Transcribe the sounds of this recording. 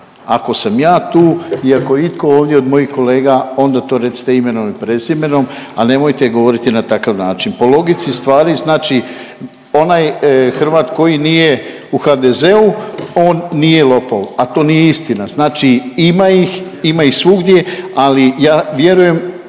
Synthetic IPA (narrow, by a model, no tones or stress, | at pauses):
a̰ko̞samjaːt̪uːiakojeit̪ko̞oːʋd̪jeo̞d̪mo̞jixko̞le̞ːɡao̞nd̪at̪o̞ːɾet̪si̥t̪e̞ime̞nomipɾe̞zime̞no̞m | a̰ne̞mo̞jt̪eɡo̞ʋo̞ɾit̪inat̪akaʋnaːt͡ʃinpo̞lˠo̞ɡit̪sist̪ʋaːɾiznaːt͡ʃi | o̞najxr̩ʋaːt̪ko̞jinije̞ | uxad̪eze̞uo̞ːnːijelˠo̞polat̪o̞ːnijeist̪inaznaːt͡ʃiimaix | imaixsʋuɡd̪je̞alijaːʋje̞ɾuje̞m